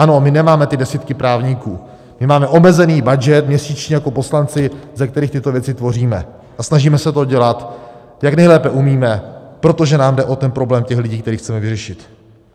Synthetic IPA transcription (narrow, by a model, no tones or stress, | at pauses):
ʔano̞mɪnɛmaːmɛt̪ɪdɛsiːt̪kɪpɾaːvɲiːkuː | mɪmaːmɛʔo̞mɛzɛniːbad͡ʒɛt̪mɲɛsiːt͡ʃɲɛjako̞po̞slant͡sɪzɛk̚t̪ɛɾiːxt̪ɪt̪o̞vjɛt͡sɪt̪vo̞r̝iːmɛ̰ | ʔasnaʒiːmɛsɛt̪o̞ɟɛlat̪ | jaknɛjlɛːpɛʔumiːmɛpɾo̞t̪o̞ʒɛnaːmdɛʔo̞t̪ɛnpɾo̞blɛːmcɛxlɪɟiːkt̪ɛɾiːxt͡sɛmɛvɪrɛʃɪt̪